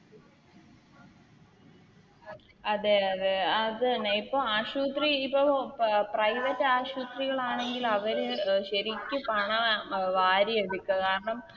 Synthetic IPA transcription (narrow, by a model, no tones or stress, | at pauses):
ɐðeðeɐðnːeipːoːaːɕuːt̪riipːoprɐjʋɐtːaːɕuːt̪riɣɐɭaːɳe̞ŋɡilɐʋɐɾɨɕɐɾikʲːɨpɐɳɐʋaːɾjeʋɽikʲːɐkaːɾɐɳɐm